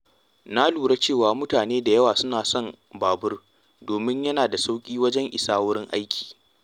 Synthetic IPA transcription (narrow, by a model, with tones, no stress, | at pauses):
na˦luː˨ɽa˦t͡ʃeː˦˨waː˦mʊ˦taː˨neː˦da˨jɐ˦waː˨sʊ˦naː˨sɔ˦˨m | baː˨bʊ˦r | doː˨mɪ˦ɲjɐ˦naː˨da˨sa˦wkʲʼiː˦wɐ˦d͡ʒɛ˦ŋʔɪ˨saː˦wʊ˦ɽɪ˦ŋʔa˦jkʲʰi̥ː˨